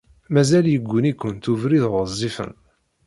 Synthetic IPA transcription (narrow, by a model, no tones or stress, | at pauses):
mæzæljəɡʷːʊnikʷːənt̪uvɾiðʁzˤːifə̰n